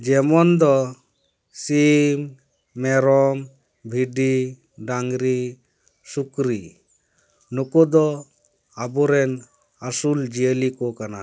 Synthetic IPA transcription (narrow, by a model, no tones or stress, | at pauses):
d͡ʒɛmɔnd̪ɔ | simː | ɛɾɔm | bʱiɖi | ɖaŋɡɾi | sukɾi | nukɔd̪ɔ | abɔɾɛn | asuld͡ʒiəlikɔkana